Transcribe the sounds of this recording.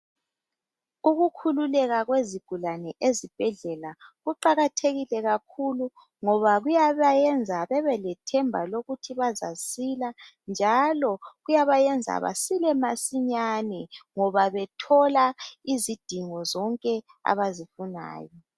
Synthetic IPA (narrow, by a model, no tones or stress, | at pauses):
uɣukʰululɛɣaɣweziɡ̥ʱulanɛʔezib̥ʱɛɮɛlaɣuǃaɣatʰeɣilɛɣakʰulu | ŋɔβaɣujaβajɛnd͡zʱaβɛβɛlɛtʰɛmbʱaloɣutʰiβaza̰sila | nd͡ʒʱalɔɣujaβajɛnd͡zʱa̰βa̰silɛmasiɲanɛŋɔβaβɛtʰɔlaizid̥ʱiŋɔzɔŋkʼɛ | a̰βazifuna̰ːjɔ